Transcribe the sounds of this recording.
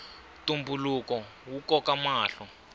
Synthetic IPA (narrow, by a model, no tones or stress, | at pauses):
tumbulukɔ | wukɔkamaːɬɔ